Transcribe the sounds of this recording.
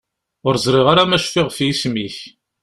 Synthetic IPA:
ʊɾzˤɾˤɪʁaɾamæʃfɪʁfjismiç

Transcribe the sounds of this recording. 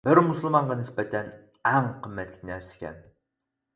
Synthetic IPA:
b̥ɪɾmuslˠɨmɑɴʁɑnɪspɛt̪ʰɛn | ɛŋqʰəmːɛt̪ʰlɪ̥k̚ʲnæɾsɪ̥kʲʰɛ̰n

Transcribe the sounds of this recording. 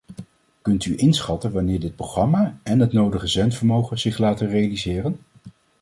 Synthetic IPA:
kɵntyʔɪnsχɑtənʋanɪːɹdɪt̚proχrɑmaːɛnɦətnowdəχəzɛntfəɹmowχəz̥ɪχlaːtərejalizɪːrən

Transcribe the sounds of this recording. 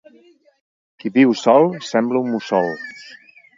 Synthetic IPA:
kiβiwsɔlˠsɛmbləumusɔlˠs

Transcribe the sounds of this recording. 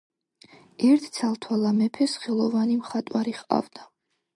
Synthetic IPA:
ɛɾt̪ʰt̪sʰalˠt̪ʰwalamɛpʰɛsχɛlˠɔvanimχat̪ʼwaɾiχqʼa̰vd̪̥a

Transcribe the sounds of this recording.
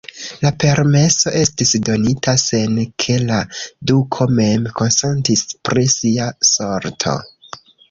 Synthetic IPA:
lape̞ɾme̞so̞ʔe̞stisdo̞nitʰase̞nkʰe̞ladukʰo̞me̞mko̞nse̞ntispɾisiaso̞ɾtʰo̞̰

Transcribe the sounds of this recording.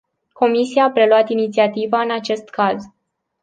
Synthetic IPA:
ko̞misiaːpɾe̞luat̪init̪siat̪ivaɨnat͡ʃe̞st̪kaz

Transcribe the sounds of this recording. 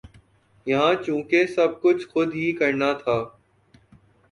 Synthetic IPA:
jɐɦãːt͡ʃũːkesɐb̚kʊt͡ʃʰxʊd̪ʱɦiːkɐɾnat̪ʰaː

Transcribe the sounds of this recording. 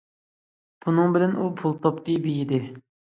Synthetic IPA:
b̥unɨŋbɪlɛnʔupʰulˠt̪ʰɑpt̪ɨbijid̪ɪ

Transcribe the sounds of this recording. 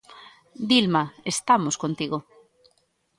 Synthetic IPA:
d̪ilmaest̪amoskont̪iɣo

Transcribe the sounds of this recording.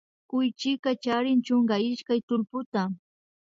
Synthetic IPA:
kʊjt͡ʃɪkat͡ʃaɾɪnt͡ʃoŋɢaɪʃkajt̪ʊlpʊt̪a

